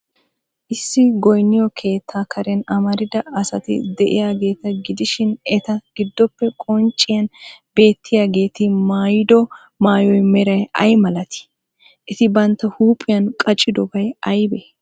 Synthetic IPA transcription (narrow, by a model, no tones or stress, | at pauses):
ʔɪsːɪɡɔjnːɪjɔkʰe̞ːt̪ʰːaːkʰɐɾɛnɐmɐɾɪd̪ɐɐsɐt̪ɪ̰d̪ɛʔɪ̰jaːɡe̞ːt̪ɐɡɪd̪ɪʃɪnɛt̪ɐɡ̥ɪd̪ːɔpːɛkʼɔnt͡ʃʼːɪjɐnbe̞ːt̪ʰːɪjaːɡe̞ːt̪ɪmaːjɪd̪ɔ | maːjɔjmɛɾɐjɐ̰jmɐlɐt̪ɪ̥ | ʔɛt̪ɪbɐnt̪ːɐhuːpʼːɪjɐnkʼɐt͡ʃʼːɪd̪ɔbɐjɐjbe